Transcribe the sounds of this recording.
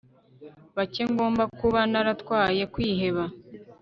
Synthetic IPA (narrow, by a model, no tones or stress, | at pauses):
βaceŋɡo̞ːmbakuβanaɾatkwaːje̞kwiːɦe̞βa